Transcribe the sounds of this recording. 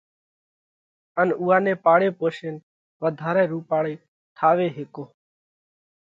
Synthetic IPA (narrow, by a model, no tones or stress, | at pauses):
ənuːaːnẽːpaːɽeːpoːʃeːn | ʋəd̪ʱaːɾɛ̃ːɾuːpaːɽeː | ʈ̪ʰaːʋeːɦeːkoː